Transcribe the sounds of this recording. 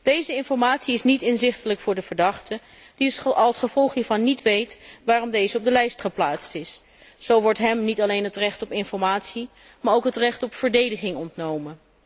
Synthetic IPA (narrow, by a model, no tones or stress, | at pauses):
d̥ejzəɪnfɔɹmaːtsiɪsnitɪnzɪχtələkfʊːɹdəv̥əɹdɑχtə | diɑlˠsχəv̥ɔlˠχɦiːɹvɑnːitʋejtʋaːrɔmdejzəɔb̚dəlɛjstχəplaːtstɪs | z̥owʋɔɹtɦɛmnitɑlejnɦətrɛχtɔpɪnfɔɹmaːtsi | maːɹowkɦətrɛχtɔpfəɹdejdəχɪŋɔntnowmən